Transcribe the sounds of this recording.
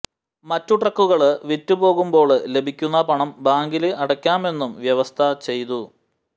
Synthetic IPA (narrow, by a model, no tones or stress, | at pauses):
mɐtːuʈrɐkːuɣɐɭɨʋitːupo̞ːɣumbo̞ːɭle̞bʱikʲːunːɐpɐɳɐmbaːŋɡilɨɐɽɐkʲːaːme̞nːumʋjɐʋɐst̪ʰɐt͡ɕe̞jt̪u